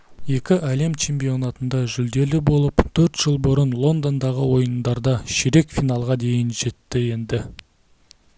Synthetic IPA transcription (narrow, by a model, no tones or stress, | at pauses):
je̞kʲɪʔæle̞mt͡ʃʰe̞mpijo̞nɑt̪ənd̪ɑʒʏld̪e̞lɪbo̞lˠəpt̪ʰɵɾt̪ʒ̥əlˠbʊɾənlˠo̞nd̪o̞nd̪ɑʁəwo̞jənd̪ɑɾd̪ɑʃeɾe̞kfijnɑlˠʁɑd̪e̞jɪnʒe̞t̪ːɪje̞nd̪ɪ